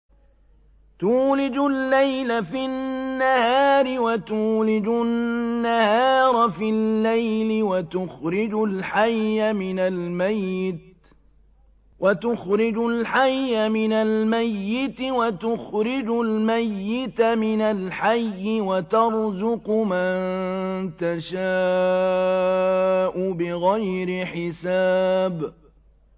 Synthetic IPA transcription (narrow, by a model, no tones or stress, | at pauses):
t̪uːlɪd͡ʒʊlːajlafɪnːahaːɾɪwat̪uːlɪd͡ʒʊnːahɑːɾˤɑfɪlːajlɪwat̪ʊxɾɪd͡ʒʊlħajːamɪnalmajːɪt̪ | wʔat̪ʊxɾɪd͡ʒʊlħajːamɪnalmajːɪt̪ɪwat̪ʊxɾɪd͡ʒʊlmajːɪt̪amɪnalħajːɪwat̪ɑɾˤzʊqʊmant̪aʃaː | ʔʊbɪɣajɾɪħɪsaːb